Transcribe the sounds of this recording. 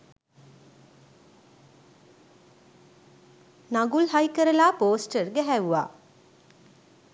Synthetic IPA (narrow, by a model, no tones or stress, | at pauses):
naɡulhajkəɾəlaːpoːsʈərɡeɦæʋuʋa̰ː